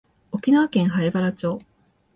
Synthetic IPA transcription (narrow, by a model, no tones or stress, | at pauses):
okʲinaβakẽɰ̃ɦaebaɾat͡ɕo̞ː